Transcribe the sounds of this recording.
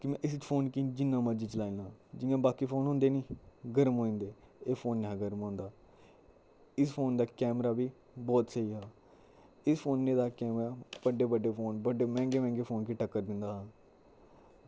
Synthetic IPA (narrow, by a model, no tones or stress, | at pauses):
kɪmɛ̃ːʔɪs̬ɪt͡ʃpʰoːnkiːd͡ʒɪnːãːməd͡ʒiːt͡ʃəlaːɪ̃lãːd͡ʒɪjãːbaːkiːpʰoːnɦʊ̃nd̪eːnĩːɡəɾəmɦoːɪ̃ːnd̪eː | eːpʰoːnːeːɦãɡəɾmɦõːnd̪aː | ɪspʰoːnd̪aːkɛːmɾaːbiː | bɔːt̪səiːɦaː | ɪspʰoːnːẽːd̪aːkɛːmɾaːbəɖeːbəɖeːpʰoːnbəɖeːmɛ̃ːŋɡeːmɛ̃ːŋɡeːpʰoːnkiːʈəkːəɾd̪ɪnd̪aːɦaː